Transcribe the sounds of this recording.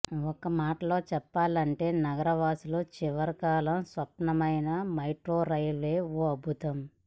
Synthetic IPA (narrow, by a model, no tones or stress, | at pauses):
ɔkːɐmaːʈɐlo̞ːt͡ʃɛpːaːlɐɳʈe̞ːnɐɡɐɾɐʋaːsuloːt͡ʃiʋɐɾkaːlɐmsʋɐpɳɐmɐjnɐmɐjʈɾoːɾɐjleːoːɐbʱut̪ɐm